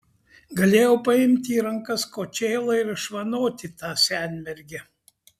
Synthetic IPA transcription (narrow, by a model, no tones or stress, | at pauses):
ɡɐlʲeːjɛʊpɐɪmʲt̪ʲiːɾɐŋkɐskoːt͡ʃʲɛːlˠɐɪɾʃʋɐnoːt̪ʲɪt̪ɑːsʲænʲmʲɛɾʲɡʲɛ